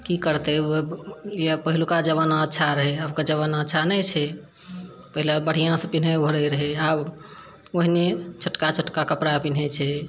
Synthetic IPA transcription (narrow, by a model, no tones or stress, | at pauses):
kikəɾt̪eojepəɦilukad͡ʒəβənətːʃʰaɾəɦeəbkad͡ʒəβənətːʃʰanət͡ʃʰɛ | pəɦilabəɽ̤ijãsə̃pinɦeoəɾəɾəɦeab | oɦinet͡ʃʰəʈkat͡ʃʰəʈkakəpɾapin̤ɦet͡ʃʰɛ